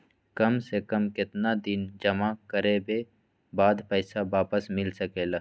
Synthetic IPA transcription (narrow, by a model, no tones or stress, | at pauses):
kɐmsekɐmkɪt̪nad̪ɪnd͡ʒɐmakəɾebe | baːd̪pəɪsabaːpəsmɪlsəkeːla